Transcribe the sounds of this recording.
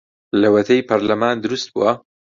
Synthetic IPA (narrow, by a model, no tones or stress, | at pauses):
lɐwɐt̪ʰɐjpʰɐɾlɐmaːnd̪ɨɾust̪̚bṵwɐ